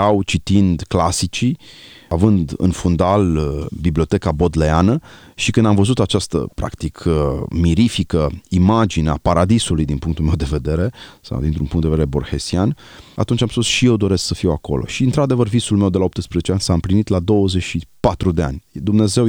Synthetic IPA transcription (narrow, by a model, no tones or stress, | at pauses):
awt͡ʃit̪ind̪klasit͡ʃi | avɨnd̪ɨ̰nfund̪albiblio̞t̪e̞kabo̞d̪leanəʃikɨnd̪amvəzut̪at͡ʃast̪ə̰pɾa̰kt̪ikʰmiɾifikəimad͡ʒinea̰paɾad̪isulujd̪inpuŋkt̪ulme̞wd̪e̞ve̞d̪e̞ɾe̞sa̰wd̪int̪ɾunpuŋt̪d̪eved̪eɾebo̞rxesian | a̰t̪unt͡ʃamspusʃije̞wd̪o̞ɾesksəfiwako̞̰lʔo̞̰ʃiɨnt̪ɾad̪e̞vərvisulme̞wd̪elaop̚t̪əspɾezet͡ʃeanʲsaɨmplinit̪lad̪o̞wəzet͡ʃʃipat̪ɾud̪ea̰nʲd̪umne̞ze̞w